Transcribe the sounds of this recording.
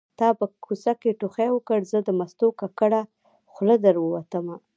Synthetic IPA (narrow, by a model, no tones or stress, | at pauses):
t̪ɑpəkʰusakeʈuxewəkəɽzəd̪əmast̪okakəɽa | xləd̪əɾwəwat̪əma